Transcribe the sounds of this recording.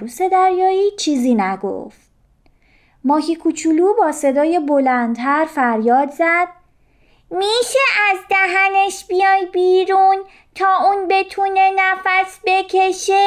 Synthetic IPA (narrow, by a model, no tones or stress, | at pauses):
ɾuːse̞d̪æɾjɒːiːt͡ʃʰiːziːnæɡo̰ft̪̚ | mɒːhikʰut͡ʃʰuluːbɒːse̞d̪ɒːje̞bo̞lænd̪ʰæɾfæɾjɒːd̪zæd̪̥̚ | miːʃeʔæzd̪æɦæne̞ʃbijɒːjbiːɾun | t̪ʰɒːʔuːnbe̞t̪ʰune̞næfæsbe̞cʰe̞ʃe